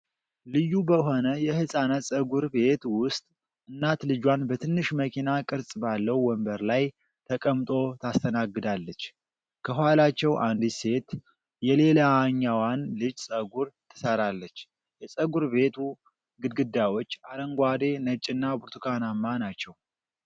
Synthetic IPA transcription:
lɨjːubəɦo̞nəjɛhɨsʼanəsʼəɡuɾbe̞t̪wʊst̪ʼ | ʔɨnːat̪lɨd͡ʒwanbət̪ʰɨnːɨʃməkʰinakʼɨɾsʼbalːəwwɔmbəɾlaj | t̪ʰəkʼəmt̪ʼo̞t̪ʰast̪ʰənaɡːɨd̪alːət͡ʃː | kʰəɦwalat͡ʃːɛwʔand̪ise̞t̪ | jɛle̞laɲːawanlɨd͡ʒsʼəɡuɾt̪ʰɨ̥səɾalːət͡ʃː | jɛsʼəɡuɾbe̞t̪ʰu | ɡɨd̪̚ɡɨd̪ːawo̞t͡ʃːaləŋɡʷad̪e̞nət͡ʃʼːɨnːabuɾt̪ʰɨkʰanamːanat͡ʃːɛw

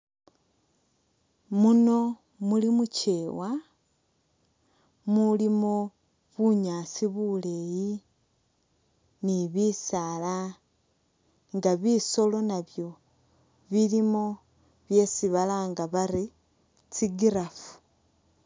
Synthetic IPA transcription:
muno̞ | mulimuce̞ːwa | mulimo | βuɲaːsiβule̞ji | niβisala | ŋɡaβiso̞lo̞naβjo̞ | βilimo̞ | βje̞siβalaŋɡaβaɾi | t͡siɡiɾafu̥

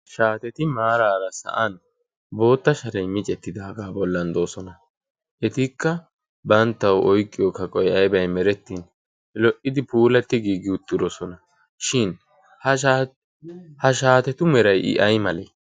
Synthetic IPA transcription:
ʃaːt̪ɛt̪ɪmaːɾaːɾɐsɐ̰ʔɐn | bo̞ːt̪ːɐʃɐɾɛjmɪt͡ʃʼɛt̪ːɪd̪aːɡaːbɔlːɐnd̪o̞ːsɔnɐ | ʔɛt̪ikːɐ | bɐnt̪ːɐwʔɔjkʼːɪjɔkɐkʼɔjɐjbɐjmɛɾɛt̪ːiːn | lɔʔɪd̪ɪpuːlɐt̪ːɪɡiːɡɪʊt̪ʼːɪɾɔsɔnɐ | ʃɪn | hɐʃa | hɐʃaːt̪ɛt̪ʊmɛɾɐjʔɪ̰ʔɐjmɐlɛ

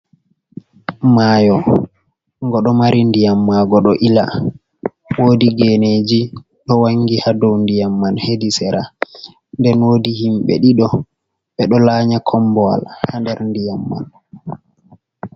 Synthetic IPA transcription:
majɔ | ŋɡɔɗɔmaɾindijamːaɡɔɗɔʔila | woːdiɡɛned͡ʒi | ɗɔwaŋɡihadowndijamːanhedisɛɾa | ndɛnwoːdihimɓɛ̰ɗiɗɔ | ɓɛɗɔlaːɲakʰɔmbɔa̰lhandɛɾndijamːa̰n

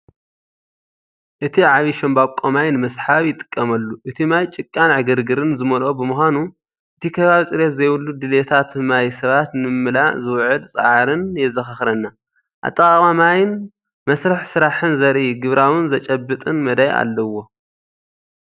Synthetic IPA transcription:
ʔɨt̪ʰiʕaβiʃɐmbaβkʼomajnɨmɐsħaβjɪt̪ʼɨ̥kʼːɐmɐlːuʔɨt̪ʰimajt͡ʃʼɪkʼːanʕɨɡɨɾɡɨɾɨnzɨmɐlʔobɨmɨxʷanu | ʔɨt̪ʰikʰɐβaβsʼɨɾet̪zɐjwulːud̪ɨlet̪ʰat̪majsɐβat̪nɨmɨmɨlaʔzɨwʕɨlt͡sʼɨ̰ʕaɾɨnjɛzɐxɐxɾɐnːa | ʔa̰t̪ʼːɐβamajn | mɐsɾɐħsɨɾaħɨnzɐɾʔiɡɨβɾawɨnzɐt͡ʃʼɐbːɨt̪ʼɨnmɐd̪aja̰lːɐwo̞

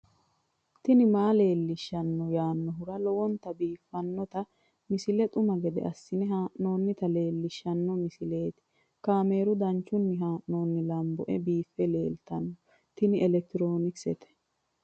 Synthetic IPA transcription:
t̪ɪnɪmaːle̞ːlːɪʃːɐnːɔjaːnːɔɦʊɾɐlɔwɔnt̪ɐbiːfːɐnːɔt̪ɐ | mɪsɪlɛt̪ʼʊmɐɡɛd̪ɛ̰ʔɐsːɪnɪɦaːʔnːo̞ːnːɪt̪ɐle̞ːlːɪʃːɐnːɔmɪsɪle̞ːt̪ɪ̥ | kaːme̞ːɾʊd̪ɐnt͡ʃːʊnːɪɦaːʔno̞ːnːɪlɐmbɔʔɛbiːfːɛle̞̰ːlt̪ɐnːɔ | t̪ɪnɪɛlɛk̚t̪ɪɾo̞ːnɪksɛt̪ɛ̥

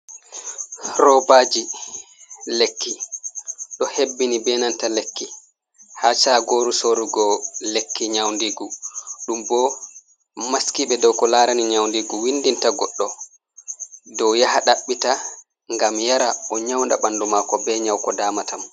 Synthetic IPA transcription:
ɾɔbad͡ʒi | lekːi | ɗɔhebːinibɛnantalekːi | hat͡ʃaɡoːɾusoɾuɡɔlekːiɲawndiɡuɗumbɔ | maskiɓɛdɔwkɔlaːɾaniɲawndiɡuwindintaɡɔɗːɔ | dɔwjahaɗaɓːita | ŋɡamjaɾaɔɲawnda̰ɓandumakɔbɛɲawkɔdaːmatam

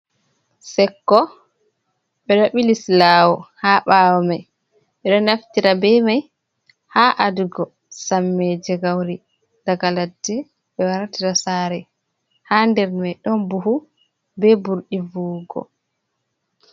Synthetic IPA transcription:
sɛkːɔ | ɓɛɗɔɓilislaːwɔhaɓaːwɔmaj | ɓɛɗɔnaftiɾabɛmaj | haʔaduɡɔ | samːɛd͡ʒɛɡawɾi | d̥aɡaladːɛ | ɓɛwaɾatiɾasaːɾɛ | handɛɾmajɗɔnbuɦu | bɛbuɾɗivuːɡɔ̰

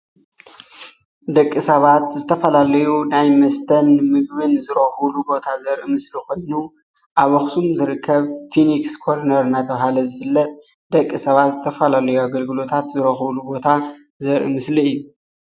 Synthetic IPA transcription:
d̪ɐkʼːisɐβat̪zɨt̪ʰɐfɐlalɐjunajmɐst̪ʰɐnmɨɡbɨnzɨɾɐxɨβlubo̞t̪ʰazɐɾʔɨmɨslikʰo̞jnu | ʔaβɐxsʰumzɨɾɨkʰːɐβfinikskʰoɾnɐɾnat̪ʰɐβɦalɐzɨfɨlːɐt̪ʼ | d̪̥ɐkʼːisɐβat̪zɨt̪ʰɐfɐlalɐjuaɡɐlɡɨlo̞t̪ʰat̪zɨɾɐxɨβlubo̞t̪ʰa | zɐɾʔɨ̰mɨsliɨjːu

